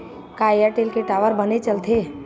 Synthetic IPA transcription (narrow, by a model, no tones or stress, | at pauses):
kaːjaʈeːlkeʈaːʋəɾbənet͡ʃəlt̪ʰe